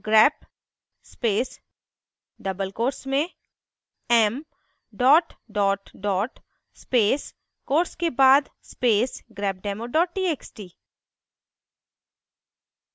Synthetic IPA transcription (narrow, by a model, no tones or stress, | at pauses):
ɡɾɛːp | speːs | ɖɐbəlkoːɾsmẽ | ɛm | ɖɔːʈɖɔːʈɖɔːʈ | speːs | koːɾskebaːd̪speːsɡɾɛːp̚ɖɛːmoɖɔːʈ̚ʈiːeːksʈiː